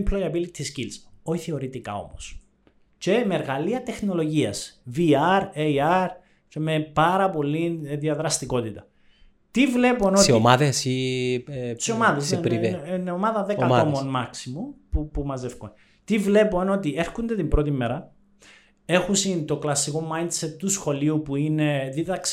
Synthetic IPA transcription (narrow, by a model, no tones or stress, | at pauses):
mpʰlojɐbilit̪ʰːiscilzoiθioɾit̪ika̰o̞̰mos | ce̞meɾɣɐliɐt̪exno̞lo̞ʝiɐsviɐɾeiɐɾ | ce̞mepɐɾɐpo̞lːinðiɐðɾɐst̪iko̞t̪it̪ɐ | t̪ivle̞pono̞somaðesi | siomɐðezsneɾieneomɐðɐðekɐomonmɐksimupupumɐze̞fkon | t̪ivle̞po̞no̞t̪ie̞ɾxund̪e̞t̪imbɾo̞t̪imːeɾɐ | e̞xusint̪o̞klɐsːiko̞mɐjnd̪set̪t̪usxo̞liupuine̞ðiðɐks